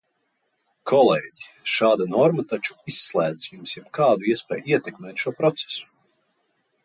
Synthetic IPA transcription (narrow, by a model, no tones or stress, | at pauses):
kʰɔlˠɛːɟi | ʃaːd̪anɔɾmat̪at͡ʃu̥isːlˠæːd̪i̥sjumsjɛbkʰaːd̪uiɛspʲɛ̰ːjiɛt̪ɛkmɛːt̪ʃuɔpɾɔt̪se̥su̥